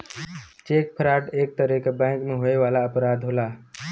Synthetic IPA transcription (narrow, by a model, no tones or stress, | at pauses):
t͡ʃek̚pʰɾaʈeːk̚t̪əɾekebãɪ̃kmeɦoeʋalaəpɾad̪ʱɦola